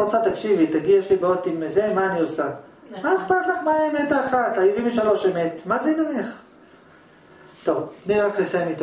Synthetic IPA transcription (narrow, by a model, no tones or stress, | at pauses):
ot͡sat̪akʃivit̪aɡijeʃlibeot̪imezemaːniosa | maeχpat̪laχmaemet̪aːχat̪ajivimveʃalo̞ʃemet̪mazeinoneχ | t̪ovniʁakleseemit̪o